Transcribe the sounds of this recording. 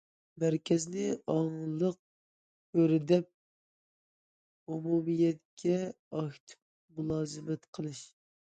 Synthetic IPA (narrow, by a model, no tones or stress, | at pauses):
mæɾkʲɛznɪɑŋlˠəq̚ | bøɾɪd̪ɛp̚ | umumijɛt̪kʲʰɛ | ɑkt̪ʰɨ̥p̚ | mulˠɑːzɨmɛt̪qʰəlˠɨʃ